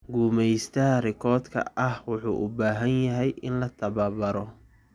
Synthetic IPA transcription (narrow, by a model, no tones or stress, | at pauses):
ɡuːmɛjst̪ʰɐɦɐrɪkʰɔːd̪kʰɐ̰ʔɐhwʊħṵːʔʊbaːɦɐnjɐɦɛjʔɪnlɐt̪ʰɐβɐbɐɾɔ